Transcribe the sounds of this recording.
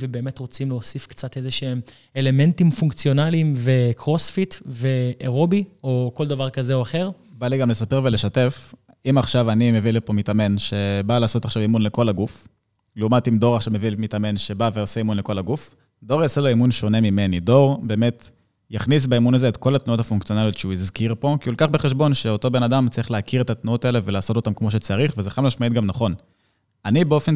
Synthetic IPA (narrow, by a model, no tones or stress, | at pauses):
vebe̞ːme̞tʁo̞t͡simleosifkt͡sate̞zeʃeem | ele̞me̞ntimfuŋkt͡sjo̞nalimve̞kʰʁosfitveʔeʁobio̞ko̞ld̪avaʁkazeo̞aχeʁ | baliɡamlesapeʁvele̞ʃate̞f | imaχʃavanimevilipomitame̞nʃebalaːso̞taχʃavimunle̞ko̞laɡuf | lumatimdo̞ʁaχʃavme̞vilmitame̞nʃe̞baveose̞imunleko̞laɡuf | do̞ʁjaseloimunʃo̞ne̞mimenido̞ʁbe̞ːme̞t | jaχnis̬beimunazeetko̞latnuotafunkt͡sio̞naljo̞t̪ʃeuizkiʁpo̞kiulkaχbeχe̞ʃbo̞nʃe̞oto̞be̞nadamt͡saʁiχleakiʁetatnuotaele̞velaːso̞to̞t̪amkmo̞ʃ̬e̞t͡saʁiχvezeχamlaʃmait̚ɡamnaχo̞n | anibeo̞fen